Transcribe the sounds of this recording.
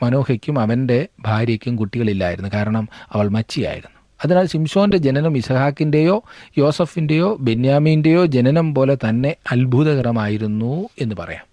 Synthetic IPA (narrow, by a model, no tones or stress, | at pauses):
mɐno̞ːhɐkʲːumɐʋɐnde̞bʱaːɾjɐkʲːumkuʈːiɣɐɭilːa̰ːjḭɾunːukaːɾɐɳɐmɐʋɐɭmɐt͡ɕːija̰ːjḭɾunːu | ɐðinaːlsimso̞ːnde̞d͡ʑe̞nɐnɐmisɐkaːkːinde̞jo̞ːjo̞ːsɐfinde̞jo̞ːbe̞njaːmijinde̞jo̞ːd͡ʑe̞nɐnɐmpo̞ːle̞t̪ɐnːe̞ɐlbʱuðɐɣɐɾɐmaːjiɾunːue̞nːɨpɐ̰rɐ̰ja̰ːm